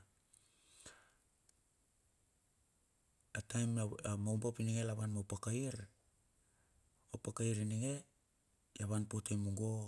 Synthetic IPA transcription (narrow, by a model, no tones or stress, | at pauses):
atajmmawmbapiniŋelaβanmopakaiɾ | opakaiɾiniŋe̞ | jaβanpotemuŋɡo̞